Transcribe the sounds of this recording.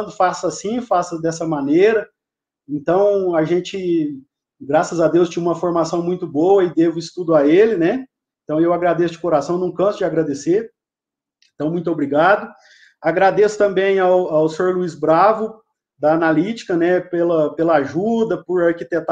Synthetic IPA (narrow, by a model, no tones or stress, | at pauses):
d̪ʊfasɐsĩfasɐd̪ɛsɐmɐneɾɐ | ẽnt̪ɐ̃w̃aʒẽt͡ʃɪ | ɡɾasɐzad̪ewst͡ʃĩũmɐfoɾmasɐ̃w̃mũj̃t̪ʊbowɐɪd̪evʊɪst̪ud̪ʊaelɪnɛ | ẽt̪ɐ̃w̃ewaɡɾad̪esʊd͡ʒɪkoɾasɐ̃w̃nɐ̃w̃kɐ̃sʊd͡ʒɪaɡɾad̪eseɾ | ẽnt̪ɐ̃w̃mũj̃t̪ʊobɾiɡad̪ʊ | aɡɾad̪esʊ̥t̪ɐ̃mbẽj̃awawsɪoɾluizbɾavʊ | d̪ɐːnalit͡ʃi̥kɐnɛpelɐpelɐaʒud̪ɐpʊɾaɾkit̪et̪